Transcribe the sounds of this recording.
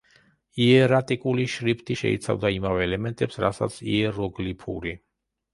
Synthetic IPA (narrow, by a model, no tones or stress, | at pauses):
iɛɾat̪ʼikʼuliʃɾipʰt̪ʼiʃɛ̰ḭt̪sʰa̰vd̪aimavɛːlɛmɛnt̪ʼɛpsɾasa̰t̪sʰḭɛɾɔɡlipʰṵɾi